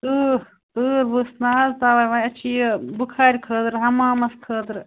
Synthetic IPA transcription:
t̪ɨːɾ | t̪ɨːɾbɨsnaːɐlt̪aːʋaːjʋaɐt͡ʃʰibukʰaːɾʲkʰəːd̪ɾɦɐmaːmɐskʰəːd̪ɾ

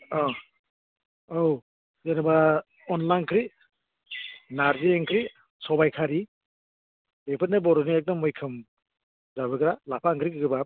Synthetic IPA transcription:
ɔ | ow | zeɾaba | ɔnlajnkʰɾi | naɾzeeŋkʰɾi | sɔbajkʰaɾi | bepʰɯt̚nabɔɾɔniek̚dɔmːɔjkʰɯm | zabɯɡɾalapʰaŋkʰɾikʰɯɡɯbap̚

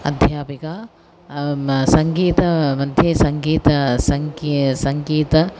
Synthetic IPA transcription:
ɐ̰d̪ʱjaːpikaː | sɐŋɡiːt̪ɐmɐd̪ʱjeːsɐŋɡiːt̪ɐsɐŋkisɐŋɡiːt̪ɐ

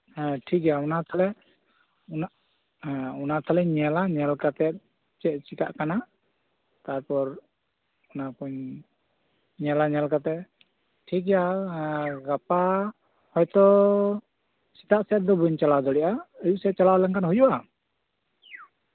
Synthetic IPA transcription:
ʈʰikɛjaɔnat̪ʰalɛ | unaʔ | ɔnat̪ʰalɛɲɛlaɲɛlkat̪ɛt̪̚ | t͡ʃɛʔt͡ʃikaʔkana | t̪aɾpɔɾ | ɔnakuɲ | ɲɛlaɲɛlkat̪ɛ | ʈʰik̬ɛja | ɡapa | hɔjt̪ɔ | si̥t̪aʔsɛt̪̚d̪ɔbuɲt͡ʃalad̪ɔɽɛʔaəjuʔsɛɛt̪̚t͡ʃalalɛŋkanɦujuʔa

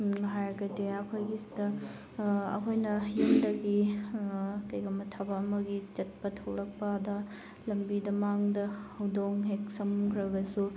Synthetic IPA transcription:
ɦajɡɐdiɐkʰojɡisi̥dɐ | ɐ̰kʰojnɐjumdɐɡi | kɐjɡɐmɐtʰabɐːmɐɡit͡ʃɐt̚pɐtʰɐwɾɐk̚pɐdɐ | lɐmbidɐmaŋdɐhɐwdoŋɦeksɐmkʰɾɐɡɐsu

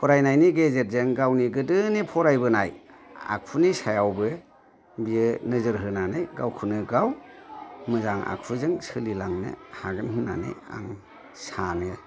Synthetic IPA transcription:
pʰɔɾajnajniɡezet̚zeŋɡawniɡɯdɯnipʰɔɾajbɯnaj | a̰k̚ʰpʰunisajawbɯ | bijɯnɯzɯɾɦɯnanɯjɡawkʰunɯɡaw | mɯzaŋa̰k̚ʰuzɯŋsɯlilaŋnɯ̰haɡɯmɦɯna̰nɯ̰ja̰ŋ | sanɯ

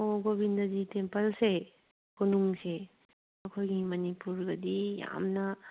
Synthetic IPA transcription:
oɡobʱindɐzitempɐlse | kʰonuŋse | ɐkʰojɡimɐnipuɾɡɐdija̰mnɐ

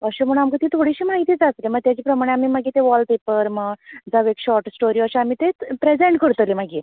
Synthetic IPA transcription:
əɕem̤əɽ̃amkət̪iːt̪ʰoɽiɕiːmaɦit̪iːd͡zat̪leməɡ̚t̪jat͡ɕiːpɾəmaɽ̃eamiːmaɡit̪eʋɔlpepəɾməd͡zaʋekɕɔɾʈsʈoɾiəɕeamiːt̪epɾed͡zẽɳʈkəɾt̪limaɡi

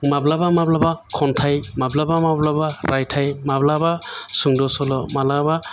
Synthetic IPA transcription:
mablabamablabakʰɔntʰajmablabamablabaɾʔajtʰajmablabasuŋdɔsɔlɔmalaba

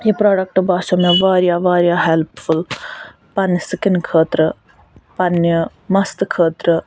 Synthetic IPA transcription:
jipɾaːɖɐk̚ʈbaːsɐmeʋaːɾjaːʋaːɾjaːɦelpful | pɐnisɨkinkʰəːt̪ɾə | pɐnjə | mɐst̪ɨkʰəːt̪ɾə

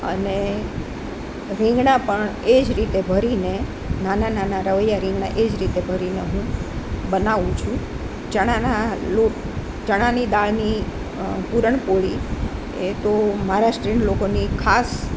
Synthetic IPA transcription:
ə̰ne | ɾĩŋɡnapəɳed͡ʒɾit̪ebʱəɾine | nanananaɾəʋəjːaɾɪ̃ŋɡɳaʔed͡ʒɾit̪ebʱəɾineɦũbənaʋũt͡ʃʰũ | t͡ʃəɽ̃analo | t͡ʃəɽ̃anid̪aɭni | puɾəɳpoɭi | et̪omaɾasʈɾiɳlokonikʰas

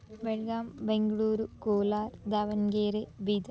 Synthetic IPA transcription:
beɻɡaːmbeŋɡɐɭuːɾukoːlaːɾd̪ɐʋɐnɡeːɾebid̪ɐ

